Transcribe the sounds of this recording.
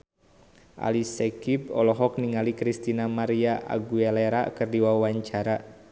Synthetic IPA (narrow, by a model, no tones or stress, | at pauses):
ʔa̰lisɛkib̚ɔlɔɦɔk̚niŋalikɾist̪inamaɾiaʔa̰ɡuɛleɾakɨrdiwawaɲt͡ʃaɾa